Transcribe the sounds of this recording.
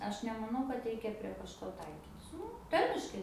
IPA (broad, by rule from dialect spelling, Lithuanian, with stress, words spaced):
ˈɐʃ nʲɛmɐˈnɐʊ kɐt ˈrʲɛɪkʲɛ pʲrʲiɛ kɐʃˈkoː ˈtɐɪkʲiːtʲɪs ˈnʊ ˈtɐrʲmʲɪʃkɐɪ